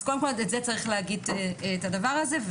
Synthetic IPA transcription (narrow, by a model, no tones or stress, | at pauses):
kolmkɔntɛtzɛt͡saʁiχlɛaɡid̚tːtadavaʁazɛv